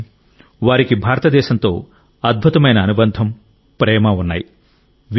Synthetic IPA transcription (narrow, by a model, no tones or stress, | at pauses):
ʋaːɾikibʱaːɾɐt̪ɐd̪ɛːʃɐnt̪o̞ː | ɐd̪̚bʱut̪ɐmɐjnɐːnubɐnd̪ʱɐm | pɾɛːmɐunːa̰ːji | ʋ